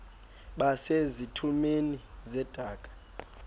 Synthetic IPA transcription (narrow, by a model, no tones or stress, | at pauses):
ɓasezitʰumenizɛd̥ʱaːkʼḁ